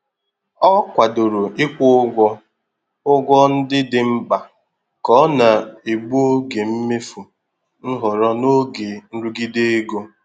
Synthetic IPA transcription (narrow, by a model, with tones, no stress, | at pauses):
ɔ˦kʷa˨do˨ɾu˨ʔɪ˦kʷʊ˦ɡʷɔ˦ | ʊ˦ɡʷɔ˦n̩˦dɪ˦dɪ˨m̩˦ba˨ | kɔ˨˦na˨e˨ɡ͡bu˦o˦ɡe˨m̩˦me˦fu˨ | n̩˦ɦʊ˨ɾɔ˦no˦ɡe˨n̩˦ɾu˦ɡi˦de˦e˦ɡo˦